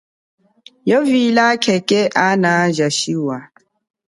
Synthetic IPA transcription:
jɔvilakʰɛkʼɛʔanaʒaʃiwa

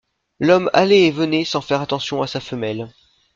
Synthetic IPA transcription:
lɔma̰leːvənesɑ̃fɛʁat̪ɑ̃sjɔ̃asafəmɛl

